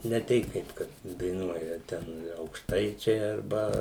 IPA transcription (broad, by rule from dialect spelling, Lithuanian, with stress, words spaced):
nʲɛ ˈtʲɛɪ kɐɪp ˈkɐt dɐɪˈnuɔjɛ ˈtʲɛn ɐʊkʃˈtɐɪt͡ʃʲɛɪ ɐrˈbɐ